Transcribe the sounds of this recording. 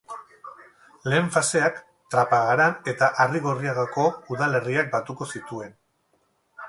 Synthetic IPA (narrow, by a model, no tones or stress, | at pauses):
le̞ːɱfase̞ak | t̪ɾapaɣ̞aɾane̞t̪aʔariɣoriaɣako̞uðale̞riak̚bat̪uko̞sit̪ue̞n